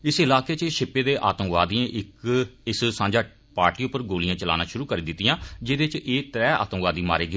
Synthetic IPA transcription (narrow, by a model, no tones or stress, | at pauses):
ɪsɪlaːkeːt͡ʃʃɪpːeːd̪eːʔaːt̪əmʋaːd̪iːãːʔɪkɪssãːɲd͡ʒaː | paːɾʈiːʊpːəɾɡoːlijãːt͡ʃəla̰ːnaːʃʊɾuːkəɾiːd̪ɪt̪ːijãːd͡ʒɪd̪et͡ʃeːt̪ɾɛːa̰ːt̪ə̃mʋaːd̪iːma̰ːɾeːɡ